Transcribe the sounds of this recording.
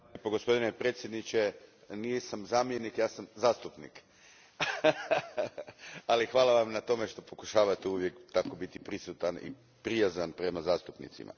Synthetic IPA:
poɡo̞spo̞d̪ine̞pɾe̞ːt̪sjed̪nit͡ɕe̞ | nijesamzaːmjenikjaːsamzaːst̪upnḭk | alixʋaːlaʋamnat̪o̞me̞ʃt̪o̞po̞kuʃaːʋat̪euʋje̞kt̪ako̞bit̪ipɾisut̪anḭ | pɾijazanpɾe̞mazaːst̪upnḭt̪sḭma̰

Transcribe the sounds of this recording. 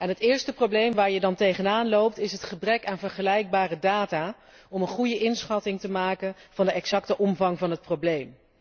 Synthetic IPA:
ɛnɦətɪːɹstəprowblejmʋaːɹjədɑntejχənaːnlowp̚tɪsɦətχəbrɛkaːnvəɹχəlɛjk̚baːrədaːtaː | ɔmənχujəʔɪnsχɑtɪŋtəmaːkənv̥ɑndəɛksɑktəʔɔmvɑŋvɑnɦət̚prowblejm

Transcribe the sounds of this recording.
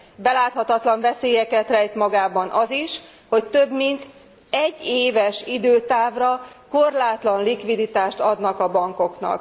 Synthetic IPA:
bɛlaːt̪hɒt̪ɒt̪lɒɱvɛseːjɛkɛt̪rɛjt̪mɒɡaːbɒnʔɒziʃ | ho̞ct̪øbmint̪ | ɛɟːeːvɛʃid̪øːt̪aːvrɒko̞rlaːt̪lɒnlikʋid̪it̪aːʃt̪ɒd̪nɒkɒbɒŋko̞knɒ̰k̚

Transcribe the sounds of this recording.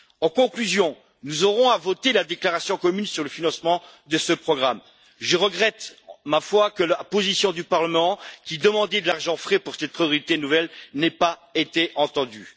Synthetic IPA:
ɑ̃kɔ̃klyzjɔ̃ | nuzɔʁɔ̃avɔt̪elad̪eklaʁasjɔ̃kɔmynsyʁləfinɑ̃smɑ̃ | d̪əsəpχɔɡʁam | ʒəʁəɡʁɛt̪mafwakəlapozisjɔ̃d̪ypaʁləmɑ̃kʲid̪əmɑ̃d̪ɛd̪əlaʁʒɑ̃fχɛpuʁsɛt̪̚pχijɔʁit̪enuvɛlnɛpaet̪eʔɑ̃t̪ɑ̃d̪y

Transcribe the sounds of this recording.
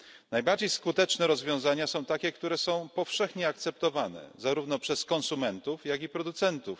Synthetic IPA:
najbaɾd͡ʑejskut̪ɛt͡ʂnɛɾɔzvʲjɔ̃w̃zaɲasɔ̃w̃t̪akʲɛkt̪uɾɛsɔ̃w̃pɔfʂɛxɲɛakt̪sɛp̚t̪ɔvanɛ̰zaɾuvnɔpʂɛskɔ̃nsumɛnt̪ufjaɡipɾɔd̪ut̪sɛnt̪uf

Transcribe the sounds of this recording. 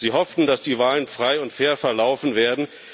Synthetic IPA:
ziːɦɔftn̩dasd̥iːvaːlənfʁ̥aɪʊntfeːɐfɛɐlaʊfn̩veːɐdn̩

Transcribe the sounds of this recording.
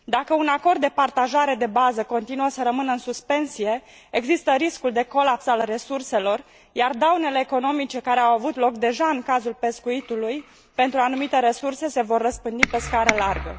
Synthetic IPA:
d̪akəunako̞rd̪ːe̞part̪aʒaɾe̞d̪e̞bazəko̞nt̪inuəsəɾəmɨnəɨnsuspe̞nsije̞ | eɡzist̪əɾiskuld̪e̞ko̞lapsalre̞surse̞lo̞r | jard̪awne̞le̞ːko̞no̞mit͡ʃe̞kaɾe̞awavut̪lo̞kd̪e̞ʒaɨŋkazulpe̞skuit̪uluj | pe̞nt̪ɾuanumit̪e̞ɾe̞surse̞se̞vo̞rːəspɨnd̪ipe̞skaɾəlarɡə̰

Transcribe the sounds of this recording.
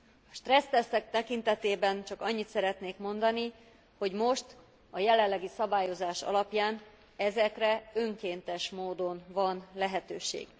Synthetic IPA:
ɒʃt̪rɛst̪ɛsːɛk̚t̪ɛkint̪ɛt̪eːbɛnt͡ʃɒkɒɲːit̪sɛɾɛt̪neːkmo̞nd̪ɒni | ho̞ɟmo̞ʃt̪ | ɒjɛlɛlːɛɡisɒbaːjo̞zaːʃɒ̰lɒpjaːn | ɛzɛkrɛøŋkeːnt̪ɛʃmoːd̪o̞nvɒnlɛɦɛt̪øːʃḛːɡ̥

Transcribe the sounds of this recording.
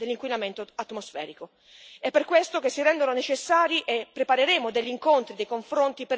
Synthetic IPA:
d̪elːiŋkwinament̪oat̪mosfɛ̰ːɾiko | ɛpːerkwest̪okesːiɾɛnd̪ononet͡ʃesːaːɾiʔepːɾepaɾeɾeːmod̪eʎːiŋkont̪ɾid̪ejkoɱfɾont̪ipe

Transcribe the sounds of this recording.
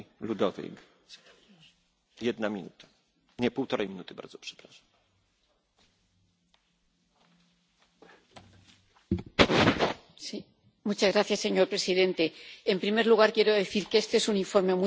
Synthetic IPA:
lud̪ɔvʲḭk | jɛd̪namʲinṵt̪ʰḁ | ɲɛpuwt̪ɔɾʔɛjmʲinut̪ɘba̰ɾd̪zɔ̥pʂɛ̥pɾaʂḁm | si | mut͡ʃazɣɾaθjasːe̞ɲo̞ɾpɾe̞siðe̞nt̪e̞ːmpɾime̞ɾluɣ̞aɾkje̞ɾo̞ðe̞θiɾkeest̪eesunĩɱfo̞ɾme̞mu

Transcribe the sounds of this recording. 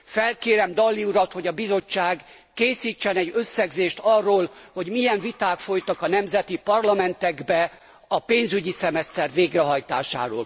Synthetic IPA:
fɛlkeːɾɛmd̪ɒlːiuɾɒt̪ho̞ɟɒbizo̞t͡ʃːaːɡ | keːsiːt͡ʃːɛnɛɟøsːɛɡzeːʃt̪ɒrːoːlho̞ɟmijɛɱvit̪aːkfo̞jt̪ɒkɒnɛmzɛt̪ipɒrlɒmɛnt̪ɛɡbɛ | ɒpeːnzyɟisɛmɛst̪ɛrveːɡrɛɦɒjt̪a̰ːʃa̰ːɾo̰ːl

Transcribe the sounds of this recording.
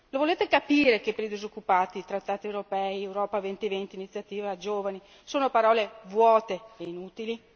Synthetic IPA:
lovoleːt̪ekapiːɾekepːeɾlid̪izokːupaːt̪it̪ɾat̪ːaːt̪iewɾopɛjɛwɾɔːpavent̪ievent̪iːnit̪sːjat̪iːvad͡ʒoːvani | soːnopaɾɔːlevwɔːt̪eːinut̪ili

